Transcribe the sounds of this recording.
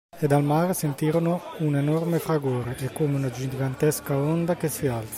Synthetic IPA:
ed̪almaɾesent̪iːɾonounenɔrmefɾaɡoːɾeʔɛkoːmeunad͡ʒiɡant̪ɛskaɔnd̪akesialt̪sa

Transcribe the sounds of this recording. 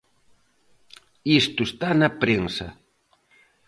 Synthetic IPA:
ist̪ʊst̪anapɾeŋsa̰

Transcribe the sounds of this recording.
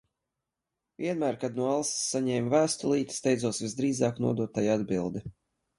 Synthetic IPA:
vʲiɛnmæːɾkad̪nuɔalˠsi̥sːaɲɛːmvæːst̪ulˠiːt̪i̥st̪ɛj̪zuɔsvʲizd̪ɾiːzɑːknṵɔd̪uɔt̪ːajad̪bilˠd̪i

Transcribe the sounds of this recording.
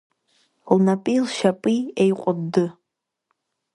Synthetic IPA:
lnapʼilʃapʼiejqʷʼʊdɨ

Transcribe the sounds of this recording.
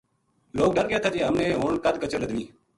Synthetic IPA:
loːk̚ɗəɾɡɪjaːt̪ʰaːd͡ʒeːɦəmnẽːɦoːɳkəd̪kət͡ʃəɾləd̪ʋiː

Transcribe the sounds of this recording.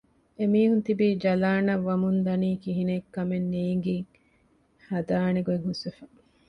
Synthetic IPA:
emiːɦunt̪ibid͡ʒɐlaːnɐʋːɐmund̪ɐniːkiɦinekːɐmenːiːŋɡi | hɐd̪aːneɡueŋɦusefɐ

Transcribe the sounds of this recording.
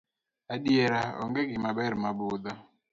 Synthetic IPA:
aɗjeɾaɔ̰ŋɡeɡɪmabɛɾmabʊd̪a

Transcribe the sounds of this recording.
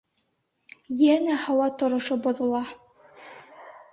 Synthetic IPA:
jænæhɑwɑt̪ŏɾŏʃoboðulˠɑ

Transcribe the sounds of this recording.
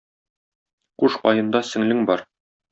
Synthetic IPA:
quʃqɒ̰jɤ̆nd̪ɑsɘ̆ŋlɘŋbɒɾ

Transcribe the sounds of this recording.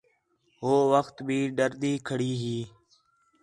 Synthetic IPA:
ɦoːʋəxt̪bʱiːɖəɾd̪iːkʰəɽiːɦiː

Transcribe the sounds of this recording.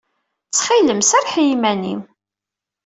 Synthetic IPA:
t͡sːχiləmsæɾħjimænḭm

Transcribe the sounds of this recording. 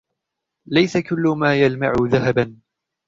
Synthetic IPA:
lajsakʊlːʊmaːjalma̰ʕʊðaɦaban

